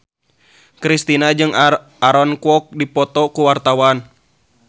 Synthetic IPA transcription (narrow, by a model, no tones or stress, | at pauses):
kɾist̪inad͡ʒɨŋ | aɾɔnkuɔk̚dipɔt̪ɔkuwart̪awan